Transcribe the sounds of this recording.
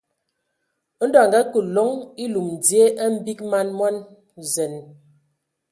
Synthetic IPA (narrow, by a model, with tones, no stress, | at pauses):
n̩˦dɔ˨a˨ŋ˨ɡa˦kə˨lɔ˦ŋi˦lu˨m˨d͡zje˦ʔə˦m̩˦bi˦k̚ma˦nmwɔ˦n | zɛ˨n